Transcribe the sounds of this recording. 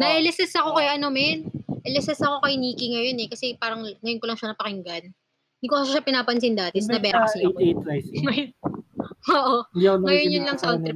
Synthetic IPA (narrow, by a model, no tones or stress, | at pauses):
nɐʔɛlɛsɛsɐko̞kɐjʔɐnomɛnʔɛlɛsɛsɐko̞kɐjniːkɪŋɐjo̞nɛkɐsɛpaːɾɐŋŋɐjonkolɐŋʃɐnɐpɐkɪŋɡɐn | ɪnd̪ikokɐʃɐʃɐpɪnaːpɐns̬ɪnd̪aːt̪ɛsnɐbɛːɾkɐsit̪t̪ɾajsɐj | oːʔoaŋɐjonjʊnlɐŋsɐʔoɛ